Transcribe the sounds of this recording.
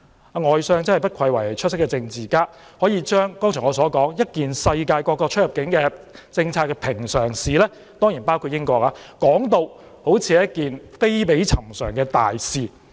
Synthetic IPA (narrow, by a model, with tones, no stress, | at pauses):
a˧ŋɔː˨jsœː˧ŋt͡sɐ˥nɐ˨jpɐ˥t̚kʰɐ˧jwɐ˨˩jt͡ʃʰɵ˥t̚sɪ˥kːɛ˧t͡sɪ˧ŋt͡siː˨˩kaː˥hɔː˨˥jiː˨˧t͡ʃœː˥ŋkɔː˥ŋt͡ʃʰɔ˨˩ŋɔː˨˧sɔː˨˥kɔː˨˥ŋjɐ˥t̚kiː˨nsɐ˧jkaː˧jkɔː˧kːɔː˧t͡ʃʰɵ˥t̚jɐ˨p̚kɪ˨˥ŋkɛː˧t͡sɪ˧ŋt͡sʰaː˧t̚kːɛ˧pʰɪ˨˩ŋsœː˨˩ŋsiː˨lɛː˥ | t̪ɔː˥ŋjiː˨˩npaː˥wkʰu˧t̚jɪ˥ŋkɔː˧kaː˧kɔː˨˥ŋt̪o˧w | ho˨˥wt͡sʰiː˨˧jɐ˥t̚kiː˨nfe˥jpe˨˥jt͡sʰɐ˨˩msœː˨˩ŋkɛː˧t̪a̰ː˨jsiː˨